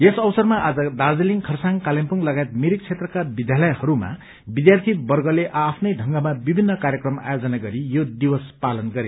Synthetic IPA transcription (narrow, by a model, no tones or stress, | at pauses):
esʌbsʌrmaʔad͡zʌd̪ad͡zeliŋkʰʌrsaŋkalempuŋlʌɡajt̪miɾik̚t͡sʰet̪rʌkabid̪jalʌjhʌɾuma̰ | bid̪jart̪ʰibʌrɡʌleʔapʰnʌjɖʱʌŋɡʌmabibʱinːʌkaɾjʌkrʌma̰jod͡zʌnaɡʌɾijod̪iwʌspalʌnɡʌɾe